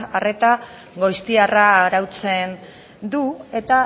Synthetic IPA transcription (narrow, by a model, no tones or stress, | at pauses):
are̞t̪a | ɣo̞jst̪iaraːɾawt͡se̞n | d̪ue̞t̪a